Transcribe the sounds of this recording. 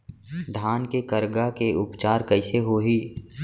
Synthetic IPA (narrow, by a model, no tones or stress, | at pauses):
d̪ʱaːnkekəɾɡakeʊpt͡ʃaːɾkəɪseɦoːɦiː